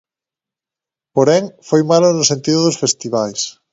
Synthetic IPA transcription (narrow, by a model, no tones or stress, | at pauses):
poɾeŋfojmalonosent̪iðʊðosfest̪iβ̞ajs